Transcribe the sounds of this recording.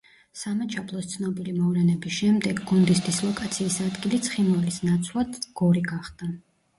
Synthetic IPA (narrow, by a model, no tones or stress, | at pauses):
samɛt͡ʃʰapʰlˠɔst̪sʰnɔbilimɔvɾɛnɛbisʃɛmd̪ɛɡɡund̪isd̪islˠɔkʼat̪sʰiːsad̪ɡilit̪sʰχinvɛlisnat̪sʰwlˠad̪ɡ̥ɔɾiɡaχd̪a